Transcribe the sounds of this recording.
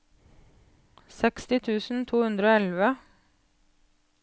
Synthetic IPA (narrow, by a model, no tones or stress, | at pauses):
sɛkst̪ɪt̪ʰʉːsn̩t̪ʰuːhʉnd̪ɾəoːɛlʋə